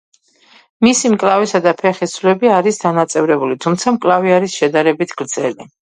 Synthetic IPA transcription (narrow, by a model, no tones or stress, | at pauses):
misimkʼlavisad̪apʰɛχislɛbiaɾisd̪anat̪sʼɛvɾɛbulit̪ʰumt̪sʰamkʼlˠaviaɾisʃɛd̪aɾɛbit̪ʰɡ̥ɾd̪zɛli